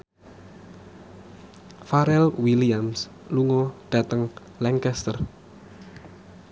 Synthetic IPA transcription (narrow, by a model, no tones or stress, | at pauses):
faɾɛlwiliams | luŋɔɖ̪̥a̤t̪əŋ | lɛŋkɛst̪ər